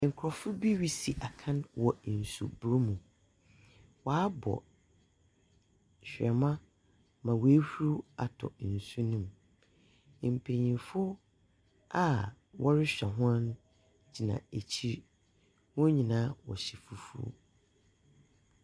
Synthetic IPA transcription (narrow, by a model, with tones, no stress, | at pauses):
ŋ̩˨kʰʊ˨ɾɔ˨fʊ˦bi˦ɥi˦si˨ʔa˨kʰã˦nwɔ˨n̩˨sṵ˨bɾo˦mũ˨ | wa˦bɔ̰˨ | ɕᶣɛ˨mã˦ | mã˨we˨˦hu˦ɾu˦a̰˨tʰɔ̰˨n̩˨su˦nĩ˦m˨ | m̩˨pʰe˨ɲĩ˨fʊ˦ | a˦˨ | wʔɔ˦ɾɪ˦ɕᶣɛ˨ɦɔ̃˦n | d͡ʑi˨nã̰˨e˨t͡ɕʰi˦ɾ | wɔ̃˦ɲĩ˨nãː˦wɔ̰˨ɕɛ˨fu˦fṵ˦˨